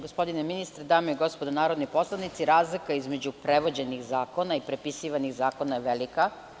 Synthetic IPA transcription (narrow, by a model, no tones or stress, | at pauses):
ɡospo̞d̪ineminist̪ɾed̪aːmoiɡo̞spod̪anaːɾo̞d̪nipo̞slˠanit̪siɾaːzlikaizme̞d͡ʑupɾeʋo̞d͡ʑe̞nixzaːko̞naipɾepisiːʋaniɣzaːko̞najeʋelika